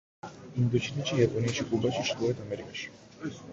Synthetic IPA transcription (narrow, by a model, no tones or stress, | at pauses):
imd̪ɔt͡ʃʰiniʃijapʼɔniaʃikʼubaʃiʃt̪ɔɛt̪ʰamɛɾikʼaʃi̥